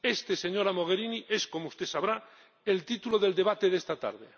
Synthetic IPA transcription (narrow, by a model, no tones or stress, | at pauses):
e̞st̪ese̞ɲo̞ɾamo̞ɣ̞eɾiniʔe̞sko̞moust̪e̞saβɾa | e̞lt̪it̪ulo̞ðe̞ld̪e̞β̞at̪e̞ðe̞st̪at̪a̰ɾð̞ḛ